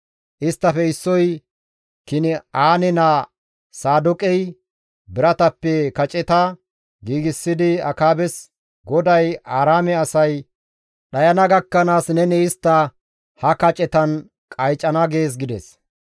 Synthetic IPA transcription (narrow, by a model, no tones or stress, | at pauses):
ʔɪst̪ːɐfɛɪsːɔj | kɪnɪʔaːnɛnaː | saːd̪ʊkʼɛj | bɪɾɐt̪ɐpːɛkɐt͡ʃʼɛt̪ɐ | ɡiːɡɪsːɪd̪ɪɐ̰kaːbɛs | ɡɔd̪ɐjʔaːɾaːmɛɐsɐj | ɗɐjɐnɐɡɐkːɐnaːsnɛnɛɪst̪ːɐ | hɐkɐt͡ʃʼɛt̪ɐn | kʼɐjt͡ʃʼɐnɐɡe̞ːs̬ɡɪd̪ɛs